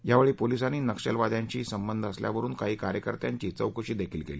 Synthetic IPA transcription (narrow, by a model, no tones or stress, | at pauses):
jaʋeɭiːpolisañiːnəkʂəlʋad̪ʱjaɲt͡ɕiːsəmbənd̪ʱəslja̰ʋəɾuːnkaɦiːkaɾjəkəɾt̪ja̰ɲt͡ɕiːt͡səwkəɕiːd̪ekʰiːlkeliː